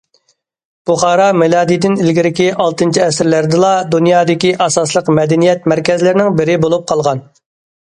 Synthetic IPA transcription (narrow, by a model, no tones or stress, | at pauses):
b̥uχɑːɾɑmɪlˠɑːd̪ijd̪ɪnɪlɡʲiɾɪkʲiʔɑlˠt̪ɨnt͡ʃʰiɛsɾlæɾd̪ɨlˠɑd̪unjɑːd̪ɪkʲiʔɑsɑslˠəqmɛd̪ɛnijɛt̪mæɾkʲɛzlɪɾɪnɪŋbɪɾɪbolˠup̚qʰɑlˠʁɑn